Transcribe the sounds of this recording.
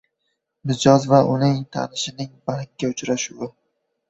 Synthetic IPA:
mɪd͡ʒɒzvaʔʊnɪŋt̪ʰa̰nɪʃɪnɪŋbaɾkʲːaʊt͡ʃɾaʃʊwɪ

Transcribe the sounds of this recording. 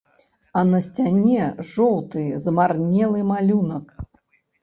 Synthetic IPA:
ɐnɐsʲt͡sʲanʲɛʐɔw̪ˠt̪ɨzmarnʲɛlˠɨmalʲunɐk

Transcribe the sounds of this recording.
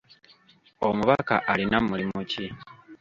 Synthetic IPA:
omuβaka̰ʔalinamulimuci

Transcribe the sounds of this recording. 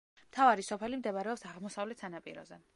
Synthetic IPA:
m̥t̪ʰavaɾisɔpʰɛlimd̪ɛvaɾɛɔpsaʁmɔsavlɛt̪ʰsanapʼḭɾɔ̰zɛ

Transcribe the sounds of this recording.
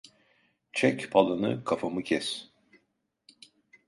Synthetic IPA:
t͡ʃʰɛcpʰalˠanɯ̰kʰafamɯcʰɛs

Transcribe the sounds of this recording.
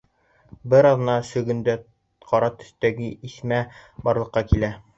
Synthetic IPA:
bɘɾɑðɤ̆nɑsɵ̆ɡɵ̆nd̪æ | qɒɾɑt̪ɵ̥̆θt̪æɡɘʔismæbɒɾlˠɤ̆qːɑkilæ

